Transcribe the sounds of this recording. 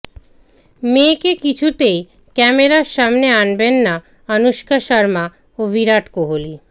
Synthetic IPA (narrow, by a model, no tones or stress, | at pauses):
mekekit͡ɕʰut̪ej | kɛmeɾaɾʃamneanbenːa | ʌnuʃkaʃaɾma | obʱiɾaʈkoɦoli